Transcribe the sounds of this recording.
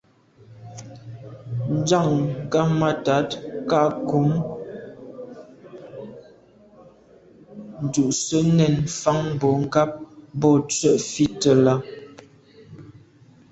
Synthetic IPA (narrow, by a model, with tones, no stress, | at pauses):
n̩˦d͡ʒa˦˨ŋ˨ɡa˦ma˦ta˨˦tka˦ʔku˨˦m | n̩˨du˨ʔsə˦nɛ˦˨nfa˦ŋbɔ˨˦ŋ̩˦ɡa˦p̚bɔ˦t͡sɥə˦˨ʔfi˦tə˦la˦